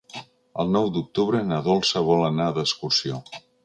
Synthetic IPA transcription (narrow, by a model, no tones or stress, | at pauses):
əlˠnɔwd̪uk̚t̪uβɾənəðɔlˠsəβɔlənaəðəskursio